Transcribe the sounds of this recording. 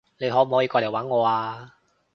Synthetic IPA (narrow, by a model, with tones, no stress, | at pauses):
le˨˧jɦɔː˨˥m̩˨˩hɔ˨˥ji˧kɔː˧le˨˩waː˨˥nŋɔː˨˧aː˧